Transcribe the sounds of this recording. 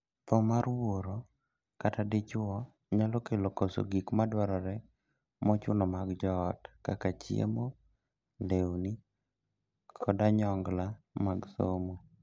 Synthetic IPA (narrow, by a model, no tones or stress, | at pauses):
t̪ɔmaɾwoɾo | katadɪt͡ʃʊwɔ | ɲalokelokoso̰ɡikmadwaɾɔɾɛ | mɔt͡ʃʊnɔmaɡd͡ʒɔːtkakat͡ʃijḛmo | ndewni | kʰɔdaɲɔŋɡlamaɡsomo